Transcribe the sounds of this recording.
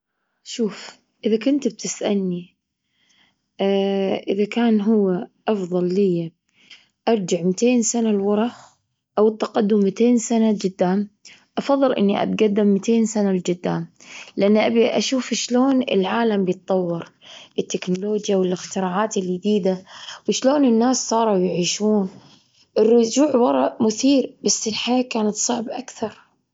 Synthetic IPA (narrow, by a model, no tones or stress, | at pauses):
ʃuːf | ʔɪðakʊnt̪b̚t̪ɪsʔalːi | ʔɪðakaːnɦʊwːaʔɑfðˤɑlːɪjːa | ʔɑɾˤd͡ʒaʕmɪt̪eːnsanalwɑɾˤɑx | ʔawɪt̪ːaqɑd̪ːʊmːɪt̪eːnsanad͡ʒɪd̪ːaːm | ʔɑfɑðˤːɨlʔɪ̰nːiʔa̰t̪̚ɡad̪ːɪmːɪt̪ʰeːnsanald͡ʒɪd̪ːaːmlɪʔanːʔabiʔaʃuːfʃloːnɪ̰lʕaːlambjɨt̪̚ˤːɑwːɪɾʔɪt̪ːɪknʊloːd͡ʒjawɪlɪxt̪ɪɾaːʕaːt̪ɪljɪd̪iːd̪awɪʃloːnɪnːaːsːˤɑːɾˤɑjɪʕiːʃuːn | ʔɪrːʊd͡ʒuːʕwɑɾˤɑʔmʊθiːɾbasːɪlħaaːkaːnat̪sˤɑʕbʔa̰kθɑɾˤ